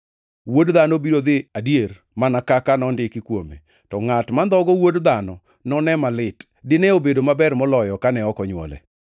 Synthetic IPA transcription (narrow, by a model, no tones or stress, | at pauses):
wodðanɔbiɾod̪ɪadijer | manakakanɔndɪkɪkwomḛ | tɔŋatmand̪ɔɡɔwodd̪anɔ | nɔnɛmalɪt | dɪnɛobedomabɛrmɔlɔjɔkanɛɔkɔɲwɔ̰lɛ̰